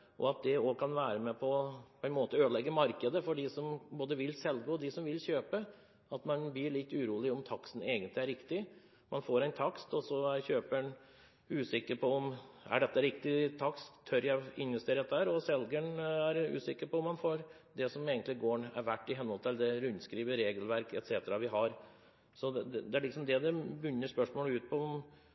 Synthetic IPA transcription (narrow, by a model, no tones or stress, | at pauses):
ʔɔ̰ɑt̪̚d̪ɛɔkʰɑnʋæːɾəmɛpʰɔpʰɔɛnmoːt̪əøːd̪lɛɡːəmɑɾkəd̪əfɔɖɪsɔmboːd̪əʋɪlːsɛlɡoɔd̪ɪsɔmʋɪlçøːpə | ɑt̪mɑnb̪iɭɪt̪ːʉɾuːlɪɔmt̪ʰɑksn̩eːɡənt̪lɪæɾɪkt̪ɪ | mɑnfoːɾæɪnt̪ʰɑkst̪ɔsɔæɾçøːpəɳ | ʉːsɪkːəɾpʰɔɔmæ̰ɖɛt̪ːəɾɪkt̪ɪt̪ʰɑkst̪ʰːœɾjæɪnʋɛst̪eːɾɛt̪ːæːɾɔsɛlɡəɳæɾʉ̰ːsɪkːəɾpɔɔmːɑnfoːɾ | d̪ɛsɔmeːɡənt̪lɪɡoːɳæɾʋæʈːɪɦɛnːɔlt̪əld̪ɛɾʉnt̪skɾiːʋəɾeːɡəl̩ʋæɾkɛt̪seːt̪əɾɑʋɪɦɑɾ | sɔd̪ɛd̪ɛd̪ɛæɭɪksɔmd̪ɛd̪ɛbʏnːəʂpœʂmoːləʉːt̪̚pʰɔɔm